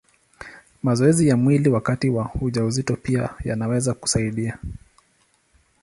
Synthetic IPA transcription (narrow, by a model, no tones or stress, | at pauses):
mazɔɛzijamwiliwakatiwahuʄauzitɔpiaja̰nawɛzaku̥saiɗia